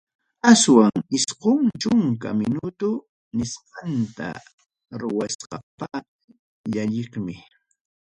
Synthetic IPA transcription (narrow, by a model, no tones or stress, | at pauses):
aswaŋɪsqʊŋt͡ʃʊŋka̰mɪnʊt̪ʊ | nɪsqɑnt̪a̰ | ɾʊwasqɑpɑq | ʎaʎɪχmɪ